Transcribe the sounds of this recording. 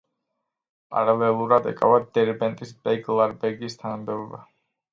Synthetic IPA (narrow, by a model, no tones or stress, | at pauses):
pʼa̰ɾalɛlˠuɾad̪ɛ̰kʼa̰vad̪ɛɾbɛnt̪ʼisbɛɡlˠaɾbɛɾɡist̪ʰanamd̪ɛɔba